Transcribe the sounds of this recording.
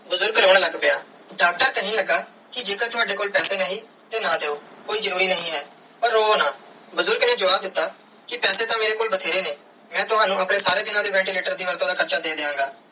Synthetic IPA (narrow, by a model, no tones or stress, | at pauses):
bʊzʊɾɡɾoːɽ̃aːləɡpeaː | ɖaːk̚ʈəɾkəɦĩːləɡaː | kɪd͡ʒeːkəɾt̪ʰʊaːɖeːkoːlpɛːseːnəɦĩː | t̪eːnãːd̪eːoː | koːiːzəɾuːɾiːnəɦĩːɦɛː | pəɾoːnãː | bʊzʊɾɡnẽːd͡ʒəʋaːb̚d̪ɪt̪ːaː | kɪpɛːseːt̪ãːmeːɾeːkoːlbət̪ʰeːɾeːneː | mɛ̃ːt̪ʊɦaːnũːəpnẽːsaːɾeːd̪ɪnãːd̪eːʋɛ̃ːɳʈiːleːʈəɾd̪iːʋəɾt̪õːd̪aːkʰəɾt͡ʃaːd̪eːd̪eːãːŋɡaː